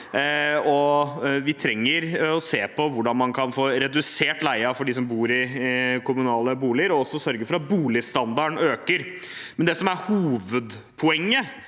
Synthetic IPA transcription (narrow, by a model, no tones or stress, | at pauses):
ɔʋɪt̪ʰɾɛŋːəɾɔseːpʰɔʋʊɖɑnmɑnkʰɑnfoːɾɛd̪ʉseːʈlæɪɑfɔɖiːs̬ɔmbuːɾɪkʰʊmʉnɑːləbuːlɪəɾɔɔsːɔsœɾɡəɾfɔɾɑt̪̚buːlɪst̪ɑnd̪ɑɳøːkəɾ | mɛnd̪ɛsɔmæɾhuːʋəd̪ | pʰɔɛŋːə